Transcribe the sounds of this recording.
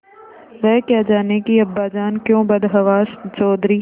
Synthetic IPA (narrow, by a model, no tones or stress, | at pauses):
ʋɛkɪjad͡ʒaːnekiɐbːaːd͡ʒaːnkjõːbɐd̪ɦɐʋaːst͡ʃɔːd̪ɾiː